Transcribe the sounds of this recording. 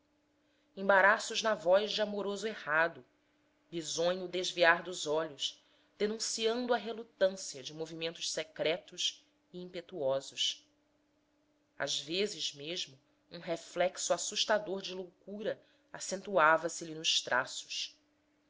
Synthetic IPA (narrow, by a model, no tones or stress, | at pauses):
ẽbaɾasʊʒnɐvɔjʒd͡ʒɪamoɾozʊehad̪ʊ | bizõɲud̪eʒviaɾd̪ʊzɔʎʊʃ | d̪̥enũsiɐ̃nd̪ʊɐɦelut̪ɐ̃siɐd͡ʒɪmovimẽnt̪ʊʃsekɾɛt̪ʊʃ | iĩpet̪uɔzʊʃ | a̰zvezɪzmeʒmʊ | ũɦeflɛksuasuʃt̪ad̪oɾd͡ʒɪlowkuɾɐ | asẽnt̪uavɐsɪlinʊʃt̪ɾʔa̰sʊ̥ʃ